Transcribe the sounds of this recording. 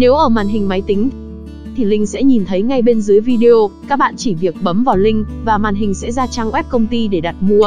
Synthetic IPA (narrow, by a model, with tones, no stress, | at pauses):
ne˨˦wʔəː˧˩maː˨˩nɦï˨˩ŋ̟ma˨˦jt̪ï˨˦ŋ̟ | t̪ʰi˨˩lï˧ŋ̟sɛ̰˧˥ɲi˨˩nt̪ʰə˨˦jŋa˧jɓe˧nzɨ˨˦jvi˧ɗi˧o˧kaː˦˥k̚ɓa̰ː˧˨nt͡ɕi˧˩vi˨˩ək̚ɓə˨˦mvaː˨˩wlï˧ŋ̟vaː˨˩maː˨˩nɦï˨˩ŋ̟sɛ̰˧˥zaː˧t͡ɕa˧ŋʔwɛ˦˥p̚kə˧wŋ͡mt̪i˧ɗe˧˩ɗa˨˩t̚mu˧ə